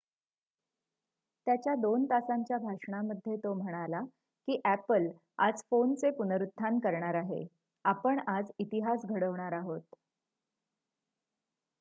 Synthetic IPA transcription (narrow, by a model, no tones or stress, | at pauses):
t̪jat͡ɕjad̪ont̪asaɲt͡ɕjabʱaʂɳaməd̪ʱːjet̪om̤əɽ̃ala | kiːʔæpəl | ad͡zfont͡sepunəɾut̪ʰːankəɾɳaɾaɦḛ | apəɳad͡zit̪iɦasɡʱəɽəʋɳ̃aɾaɦot̪